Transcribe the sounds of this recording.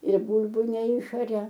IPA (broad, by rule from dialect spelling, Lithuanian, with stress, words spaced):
ɪr ˈbuːlˠbʊ nʲɛˈɪʃɐrʲɛ